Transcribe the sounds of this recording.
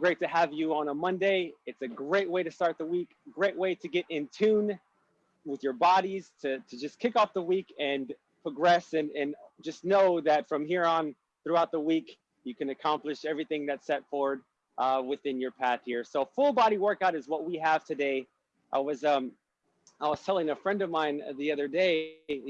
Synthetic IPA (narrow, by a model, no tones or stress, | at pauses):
ɡ̥ɹeɪtɨəvjɨə̃nəmʌ̃ndeɪɨtsɨɡɹeɪʔ̚weɪɾɨstɑɹt̪̚ðəwikɡ̥ɹeɪʔ̚weɪɾɨɡɛɾʔɪ̃ntʰʉ̃n | wɨðjə˞bɑɾiz̥tʰɨɾʰɨd͡ʒʌskʰɪkɔfðəwikɨ̃n | pʰɹ̥əɡɹɛsɨ̃nɨ̃nd͡ʒʌsⁿnoʊðɨtfɹʌ̃mhiɹə̃n | θɹuaʊt̪̚ðəwik | jɨkɨ̃nɨkʰɑ̃mplɨʃɛvɹiθɪ̃ŋðɨtsɛtfɔɹwə˞d̚ | ʔʌwɨθɪ̃njə˞pʰæθhiɹsoʊfʊlˠbɑɾiwɜ˞kaʊɾɨzwʌt̚wiəv̥tʰɨdeɪ | ʔaɪwʌzʌ̃m | aɪwʌz̥tʰɛlˠɪ̃ŋɨfɹɛ̃ndʌvmãɪ̃nðiʌðə˞deɪ